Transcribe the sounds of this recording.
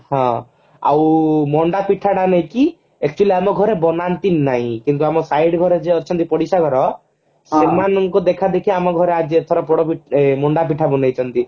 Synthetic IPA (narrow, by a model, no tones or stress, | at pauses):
hɔ̃ | a̰wmɔɳɖapiʈʰaɽaneĩki | ek̚t͡ʃuwaliamɔɡʱɔɾebɔnant̪innːaɦĩkint̪uamɔsajɽɡʱɔɾed͡ʒeɔtt͡ʃʰɔnt̪ipɔɽisaɡʱɔɾɔ | semanɔŋkud̪ekʰad̪ekʰiamɔɡʱɔɾead͡ʒet̪ʰɔɾapɔɽɔpimɔɳɖap̬iʈʰabɔnajt͡ʃʰɔnt̪i